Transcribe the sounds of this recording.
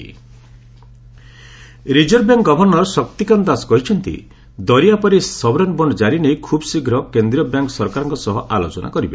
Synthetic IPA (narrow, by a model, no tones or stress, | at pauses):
ɾid͡ʒɔɾbjaŋkɡɔbʱɔɾnɔɾɔsɔk̚t̪ikand̪asɔ̥kɔɦit͡ʃʰɔnt̪ḭ | d̪ɔɾijapɔɾisɔbɾɔnbɔnɖɔd͡ʒaɾinejkʰubsiɡʱɾɔkend̪ɾiɔbjaŋksɔɾkaɾɔŋkɔsɔɦɔʔalot͡ʃɔnʔa̰kɔɾibe